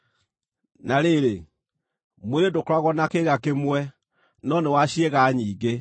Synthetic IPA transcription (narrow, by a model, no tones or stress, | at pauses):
nãleːɾe | muɾedokaɣɔnãkeɣakemuɛ | nɔ̃ːnẽwaːsieɣaːɲĩːɡe